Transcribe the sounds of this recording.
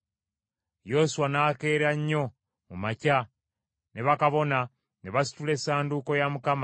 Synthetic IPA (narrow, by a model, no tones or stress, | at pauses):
josuwanake̞ːɾaɲːo̞ | mumaca | neβakaβo̞na | neβasi̥tule̞saːnduko̞jamukama